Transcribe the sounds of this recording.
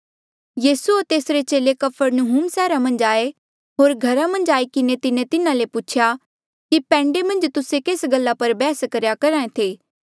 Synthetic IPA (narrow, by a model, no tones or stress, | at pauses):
jiːsuot̪eːsɾet͡ʃeːlekɐpʰəɾnoɦuːmsɛːɾamɐ̃nd͡ʒaːe | ɦoːɾɡʱɐɾamɐ̃nd͡ʒaːikɪnet̪ɪnẽt̪ɪnãlepʊt͡ʃʰja | kipɛ̃ːɳɖemɐ̃nd͡ʒt̪ʊsekeːsɡəlːapɐɾbɛːskɐɾjakɐɾaːẽt̪ʰeː